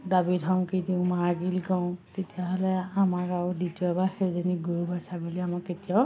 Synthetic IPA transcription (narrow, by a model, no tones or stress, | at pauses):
dabidʱɔŋkidiʊ̃maaɡilɡɔw̃tetijaɦɔlɛamakaɹuditiɔɛbaxezɔniɡuɹubʱasaɡɔliamakːetijɔ